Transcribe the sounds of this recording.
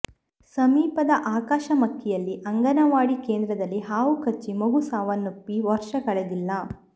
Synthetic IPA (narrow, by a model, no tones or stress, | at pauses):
sɐmiːpɐd̪ɐʔaːkaːʃɐmɐkʰːɛjɐlːiʔɐŋɡɐnɐʋaːɽikeːnd̪ɾɐd̪ɐlːiɦaːʋukɐt͡ʃːimɐɡusaːʋɐnːopːiʋɐɾʂɐkɐɭed̪ilːɐ